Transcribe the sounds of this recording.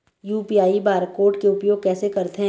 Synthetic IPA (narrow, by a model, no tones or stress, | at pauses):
juːpiaːibaːɾkoːɾʈkeʊpjoːɡ̚kɛːsekɐɾt̪eɦ